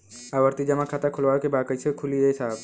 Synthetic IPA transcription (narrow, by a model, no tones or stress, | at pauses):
aʋəɾt̪id͡ʒəmãkʰat̪akʰʊlʋajokebakəit͡ʃʰekʰuliɾəsaːb